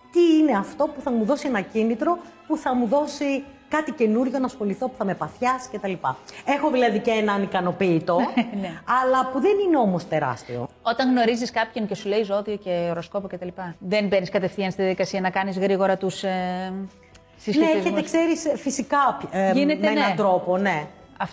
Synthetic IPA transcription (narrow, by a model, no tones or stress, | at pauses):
t̪iine̞ɐft̪o̞puθɐmuðo̞sienɐcinit̪ɾo̞puθɐmuðo̞sikɐt̪ice̞nuɾʝo̞nɐsxo̞liθo̞pu̥θɐme̞pɐθçɐsi̥ce̞t̪ɐlipɐ̰e̞xo̞ðilɐðiceenɐnikɐno̞piːt̪o̞neɐlɐpuðenine̞o̞mo̞st̪e̞ɾɐ̰st̪io̰o̞t̪ɐŋɣno̞ɾiziskɐpçonce̞sule̞izo̞ðio̞ce̞oɾo̞sko̞poce̞t̪ɐlipɐðe̞mbe̞niskɐt̪e̞fθiɐnst̪iðjɐðikɐsiɐnɐkɐnizɣɾiɣo̞ɾɐt̪us | sisnoeeizçemeskseɾisfisikɐʝinetmeeneɐd̪ɾo̞po̞ne̞ | ɐft